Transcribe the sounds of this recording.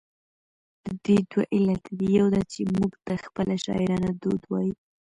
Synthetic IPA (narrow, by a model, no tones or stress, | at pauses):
d̪̥əd̪ed̪waʔɪlat̪ʰd̪ijawd̪at͡ʃemuɡt̪əxpəlʔaʃɑ̰ɪɾɑnad̪od̪wɑju